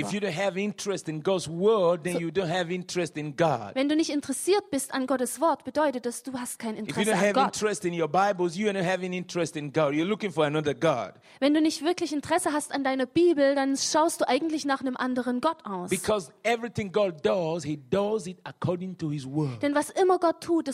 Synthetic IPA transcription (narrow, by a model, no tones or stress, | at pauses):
ɪfjɨdõnɦævɪ̃ntɹɛstɨ̃nɡɑdzwɜ˞d̚ðɨ̃njudõʊnhɨvɪ̃ntɹ̥ɛstɪ̃nɡɑ̰d̥vɛnduːnɪçtɪntəʁɛsiːɐt̚b̥ɪstanɡɔtəsv̥ɔɐtb̥ədɔʏtət̚d̥asd̥uːhast̚kʰaɪnɪntɪʁjɨdõhævɡɪ̃ntɹɛstɨ̃njɔbaɪbl̩ˠzjuãhævɨ̃nɪ̃ntɹ̥ɛstɨ̃nɡɑdjəlʊkɪ̃ŋfɔ˞ənʌðə˞ɡɑ̰d̥ | vɛnduːnɪçtv̥ɪɐklɪçɪntəʁ̥ɛsəɦastandaɪnɐb̥iːbl̩danʃaʊstd̥uːʔaɪɡŋ̩tlɪçnaːχnəmʔandəʁ̞ənɡɔtʰʔaʊsb̥ikʰɔzɛvɹiθɪ̃ŋɡɑdʌzhidʌzɪtəkʰɔɹdɪ̃ŋtʰuhɪzwɜ˞d̥ɛnvasʔɪmɐɡɔtʰːuːt̚s